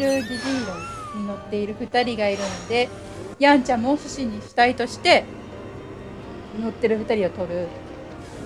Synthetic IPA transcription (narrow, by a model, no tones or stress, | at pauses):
ɾɯ̟d̪ʲiʑiɾõ | ɲ̟ino̞t̪ːe̞iɾɯ̟ɸɯ̟t̪aɾʲiɡaiɾɯ̟no̞d̪e̞ | jãɲ̟t͡ɕãmoɕɨɕiɲ̟ːiɸɯ̟̥t̪ait̪o̞ɕi̥t̪e̞ | no̞t̪ːe̞ɾɯ̟ɸɯ̟t̪aɾʲiot̪o̞ɾɯ̟